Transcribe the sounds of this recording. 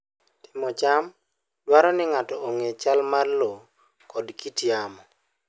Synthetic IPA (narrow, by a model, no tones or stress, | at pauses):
tɪ̥mɔt͡ʃam | dwaɾɔnɪŋatɔoŋet͡ʃalmarlo | kɔdkitjamɔ